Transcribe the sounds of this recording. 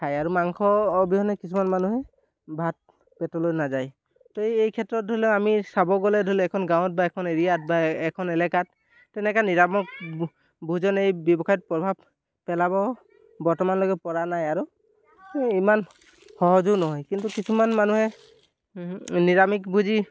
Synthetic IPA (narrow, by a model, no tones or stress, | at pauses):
kʰajaɹumaŋkʰɔbiɦɔnɛkisʰumanmanuɦɛ | bʱat̚ | pɛtɔlojnazaj | toejejkʰɛtɹɔt̚dʱolɛamisabɔɡɔlɛdʱolɛɛkʰɔnɡaw̃ɔt̚baɛkʰɔneɹijat̚baɛkʰɔnɛlɛkat | tɛnɛkaniɹamɔk̚ | bʱuzɔnejbjɔbɔkʰajt̚pɹɔbʱab | pɛlabɔ | bɔɹtɔmanlɔɡɛpɔɹanajaɹu | iman | xɔɦɔzunɔɦɔjkintukisʰumanmanuɦɛ | niɹamikbʱuzi